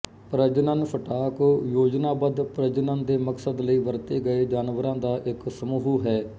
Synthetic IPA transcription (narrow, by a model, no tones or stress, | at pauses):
pɾəd͡ʒnənfəʈaːkːjoːd͡ʒnaːbəd̪pɾəd͡ʒnand̪eːməksəd̪ləiːʋəɾt̪eːɡəeːd͡ʒaːnʋəɾãːd̪aːʔɪksəmuːɦuːɦɛː